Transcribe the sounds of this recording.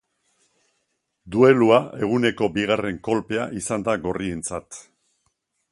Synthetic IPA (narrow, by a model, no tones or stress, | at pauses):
d̪ue̞luae̞ɣ̞une̞ko̞biɣare̞ŋko̞lpe̞aʔisand̪aɣo̞rie̞nt͡sat̪